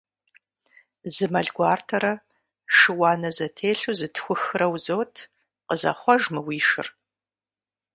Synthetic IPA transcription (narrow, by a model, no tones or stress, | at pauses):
zɨmɐɮɡʷaːrtʰɐɾɐ | ʂɨwɑːnɐzɐtʰeːɬuzɨtʰxʷʊxɨrɐwzoːtʰ | qəzɐ̰χʷɔʒmɨwiːʂɨ̰r